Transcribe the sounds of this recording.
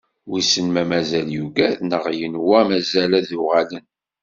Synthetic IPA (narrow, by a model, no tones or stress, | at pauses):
wisənmæmæzæljuɡæðnəʁjənwæmæzælæðʊʁalən